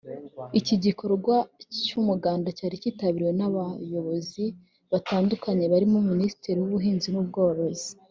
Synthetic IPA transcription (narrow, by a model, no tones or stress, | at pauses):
iciɟiko̞ɾoɡwacumuɡaːndacaːɾiciːtaβiɾiwe̞naβajo̞βo̞zi | βataːndukaɲe̞βaɾimuminisi̥teɾiwuβuɦiːnzimub̚ɡoːɾozi̥